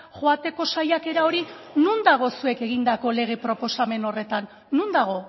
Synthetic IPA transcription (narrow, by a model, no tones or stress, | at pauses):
ʝoat̪e̞ko̞sajake̞ɾao̞ɾinund̪aɣ̞o̞sue̞ke̞ɣ̞ind̪ako̞le̞ɣ̞e̞pɾo̞po̞same̞no̞re̞t̪anː | und̪aɣ̞o̞